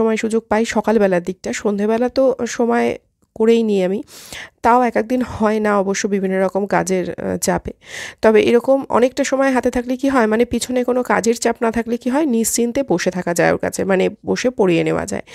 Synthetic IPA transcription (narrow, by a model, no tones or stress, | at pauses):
ɔmɔeʃud͡ʑoɡ̚pajʃɔkalbɛlad̪ik̚ʈaʃond̪ʱebɛlat̪oʃɔmɔe | koɾejniamit̪aoɛkek̚d̪inhɔenaɔboʃːobibʱinːoɾɔkomkad͡ʑeɾt͡ɕapet̪ɔbeʔeɾɔkomɔ̰nek̚ʈaʃɔmɔeɦat̪et̪ʰaklikiɦɔemanepit͡ɕʰonekonokad͡ʑeɾt͡ɕapnat̪ʰaklikiɦɔenid͡ʑt͡ɕint̪eboʃet̪ʰakad͡ʑaeo̰ɾka̰t͡ɕʰemaneboʃepoɽieneoa̰d͡ʑa̰e